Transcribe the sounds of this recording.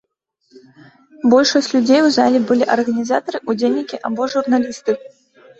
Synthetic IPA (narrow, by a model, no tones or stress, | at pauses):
bɔlʲʂɔsʲt͡sʲlʲud͡zʲejwza̰lʲɛbɨlʲiʔɐrɣɐnʲizat̪ɐɾɨʔud͡zʲelʲnʲikʲiʔabɔʐurnalʲist̪ɨ